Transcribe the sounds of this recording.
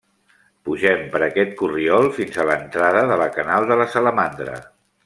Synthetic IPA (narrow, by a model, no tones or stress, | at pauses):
puʒɛmpəɾəkɛt̪̚kuriɔlˠfinzələnt̪ɾaðəðələkənalˠd̪ələsələmand̪ɾə̰